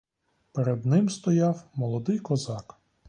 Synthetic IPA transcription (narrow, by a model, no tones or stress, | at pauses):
peɾed̪nɪmst̪ɔjɑwmɔlˠɔd̪ɪjkɔzɑk